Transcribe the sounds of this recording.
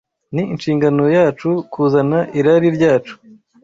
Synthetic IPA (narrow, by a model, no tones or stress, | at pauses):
niːnʃiːŋɡano̞jaːt͡ʃukʰuːzanaʔiɾaɾiɾɟaːt͡ʃu̥